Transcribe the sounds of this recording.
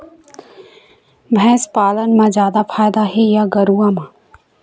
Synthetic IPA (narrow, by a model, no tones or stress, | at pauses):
bʱɛ̃ːspaːlənmãd͡ʒjaːd̪apʰaːjd̪aɦejaɡəɾuamã